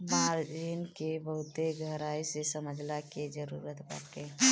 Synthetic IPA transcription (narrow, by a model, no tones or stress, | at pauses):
maɾd͡ʒinkebəɦʊt̪eɡʱəɾaisesəməd͡ʒʱlaked͡ʒəɾṵːɾət̪ba̰ɾke